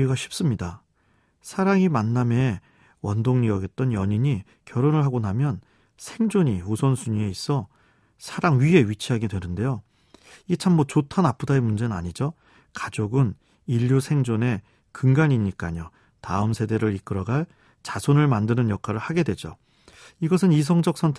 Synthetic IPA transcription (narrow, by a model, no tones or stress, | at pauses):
iɡaɕʰip̚s͈ɯmɲida | sʰaɾaŋimanːame̞ | wʌndoŋɲiʌɡe̞t̚t͈ʌnjʌɲiɲi | kjʌɾonɯɭɦaɡonamjʌn | sʰe̞ŋd͡ʑoɲiusʰʌnsʰuɲie̞is͈ʌ | sʰaɾaŋɥie̞ɥit͡ɕʰiɦaɡedwe̞nɯnde̞jo | iɡet͡ɕʰamːʌt͡ɕotʰanap͈ʰudaemund͡ʑe̞nɯna̰ɲid͡ʑo | kad͡ʑoɡɯn | iʎːusʰe̞ŋd͡ʑone̞ | kɯŋɡaɲiɲik͈aɲo | taɯmsʰe̞de̞ɾɯɾik͈ɯɾʌɡaɭ | t͡ɕasʰonɯɭmandɯnɯnjʌkʰaɾɯɭhaɡe̞dwe̞d͡ʑo̰ | iɡʌs̬ʰɯnis̬ʰʌŋd͡ʑʌk̚s͈ʰʌntʰ